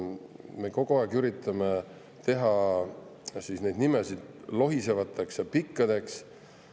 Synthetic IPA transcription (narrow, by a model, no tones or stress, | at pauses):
me̞ko̞ɡ̥oɑˑeɡyɾit̪ːˑɑme | t̪e̞ɦɑ | sisne̞jd̪nimesid̪̥ | lo̞ɦise̞vɑt̪ʰːˑeksjɑpikːˑɑd̪̥e̞ks